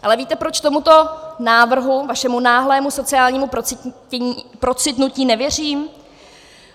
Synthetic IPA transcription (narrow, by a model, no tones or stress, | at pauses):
ʔalɛviːt̪ɛpɾot͡ʃt̪o̞mut̪o̞naːvr̩ɦuvaʃɛmunaːɦlɛːmuso̞t͡sɪaːlɲiːmupɾoɪ | ɛɲipɾo̞t͡sɪt̪nuciːnɛvjɛr̝iːm